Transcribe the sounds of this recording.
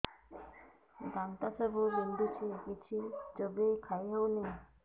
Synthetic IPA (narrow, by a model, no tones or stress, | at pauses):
ɡ̪ant̪asəbubind̪ʱut͡ʃʰikit͡ʃʰid͡ʒəbekʰajɦewne